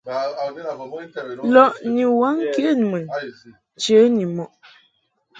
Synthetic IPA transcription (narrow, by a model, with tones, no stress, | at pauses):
lɔ˨ʔni˨wa˦ŋki˦ə˦˨n˨mə˨n | t͡ʃə˨˦ɲi˨mɔ˨ʔ